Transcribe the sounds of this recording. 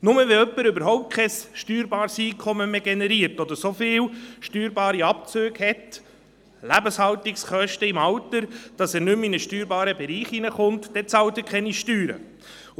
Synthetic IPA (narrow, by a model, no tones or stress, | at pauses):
nʊməʋɛœpːəɾʏbəɾɦɔʊp̚t̚kʰɛsʃtyːɾbɑːɾsiːkʰɔməmeɡenɛɾiəɾtɔd̪əɾsofɪːwʃtyːɾbɑːɾiɑp̚t͡søːɡ̥hɛt | læbəshɑltiksχœʃtəɪmɑwtəɾd̥ɑsæːɾnʏminəʃtyːɾbɑːɾəbɛɾiːχinəχʊnt̪d̥ɛt͡sɑwt̪əkʰχɛniʃtyːɾə̰